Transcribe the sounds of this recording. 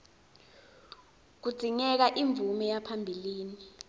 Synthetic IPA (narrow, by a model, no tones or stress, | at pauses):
k̬ud̥d͡z̥ʱiŋɛk̬aʔiɱvumɛjapʰambʱiliːni